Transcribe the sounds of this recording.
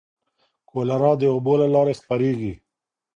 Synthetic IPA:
koːlaɾɑ̃ːd̪eobolalɑːɾexpaɾeːɡi

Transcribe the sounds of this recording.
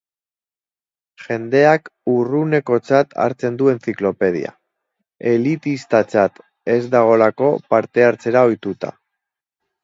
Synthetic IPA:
ʝe̞nd̪e̞akurune̞ko̞t͡sat̪a̰ɾt͡se̞nd̪ue̞nt͡siklo̞pe̞ð̞ḭa̰ | e̞lit̪ist̪at͡sat̪ | e̞zd̪aɣ̞o̞lako̞paɾt̪e̞aɾt͡se̞ɾao̞jt̪ut̪a̰

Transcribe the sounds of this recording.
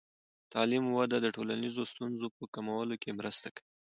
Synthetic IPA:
t̪ɑlimwad̪ad̪əʈolanizost̪unzopəkamawalokemɾəst̪akawi

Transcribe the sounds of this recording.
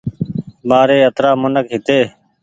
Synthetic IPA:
baːɾeːət̪ɾaːmʊnəkɦɪt̪eː

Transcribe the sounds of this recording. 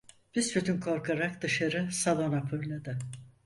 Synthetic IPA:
b̥isbyt̪ʰynkʰo̞ɾkʰaɾakd̪ɯʃaɾɯsalˠo̞napʰøjlʲˠad̪ɯ

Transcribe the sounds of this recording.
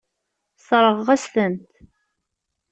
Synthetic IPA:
sˤɾˤəʁːæst̪ənt̪

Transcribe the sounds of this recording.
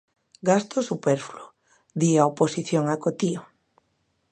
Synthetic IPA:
ɡast̪osupɛɾflo | ðiaoposiθjoŋakot̪io

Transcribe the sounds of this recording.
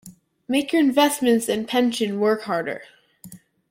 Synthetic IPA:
meɪkjə˞ɨ̃nvɛsmɨ̃ntsɨ̃npʰɛ̃nʃɨ̃nwɜ˞khɑɹɾə̰˞

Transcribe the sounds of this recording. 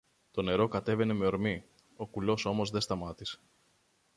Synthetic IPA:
t̪o̞ne̞ɾo̞kɐt̪e̞ve̞ne̞me̞o̞ɾmi | o̞kulo̞so̞mo̞zðe̞st̪ɐmɐt̪ise̥

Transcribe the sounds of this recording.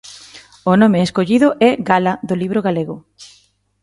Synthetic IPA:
onõmeːskoʎiðʊʔɛɣalaðʊliβɾoɣaleɣʊ

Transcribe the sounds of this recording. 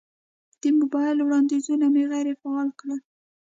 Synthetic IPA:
d̪̥əmʊbɑjɪlwɽɑnd̪izunameɣajɾefaɑlkɽa

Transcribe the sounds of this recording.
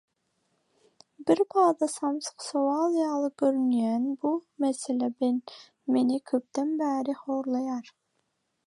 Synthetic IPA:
bɪɾpʰɑːd̪ɑsɑmsqsowɑːlˠjɑːlˠɨɡ̥ʲøɾynyjɛnbumɛsɛlɛbɪn | menɪkʲʰøp̚t̪ɛnbæːɾɪhoːɾlˠɑjɑɾ

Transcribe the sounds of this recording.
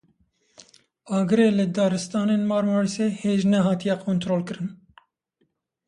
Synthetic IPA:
ɑːɡɨɾeːlɨd̪ɑːɾɨst̪ɑːneːnmɑːɾmɑːɾiseːheːʒnɛɦɑːt̪ijɛqʰoːnt̪ɾoːlkɨɾɨn

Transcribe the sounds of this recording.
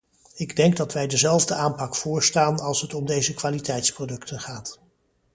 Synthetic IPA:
ɪɡdɛŋɡ̚dɑtʋɛjdəzɛlˠvdəʔaːmpɑkfʊːɹstaːnɑlˠsɦətɔmdejzəkʋaːlitɛjtsprodɵktʰənχaːt

